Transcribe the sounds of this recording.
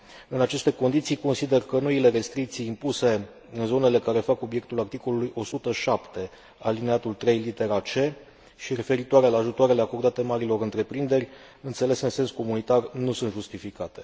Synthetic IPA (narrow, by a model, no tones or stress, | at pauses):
ɨnat͡ʃe̞st̪e̞ko̞nd̪it̪sijko̞nsid̪e̞rkəno̞ile̞ɾe̞st̪ɾik̚t̪sijːmpuse̞ | ɨnzo̞ne̞le̞kaɾe̞fako̞bje̞k̚t̪ulart̪iko̞lulujo̞sut̪əʃapt̪e̞ | alineat̪ult̪ɾe̞jlit̪e̞ɾat͡ʃe̞ | ʃiɾe̞fe̞ɾit̪oaɾe̞laːʒut̪oaɾe̞le̞ako̞rd̪at̪e̞maɾilo̞ɾɨnt̪ɾe̞pɾind̪e̞rʲ | ɨnt̪se̞le̞sɨnse̞nsko̞munit̪arnusuɨnt̪ʒust̪ifikat̪e̞̥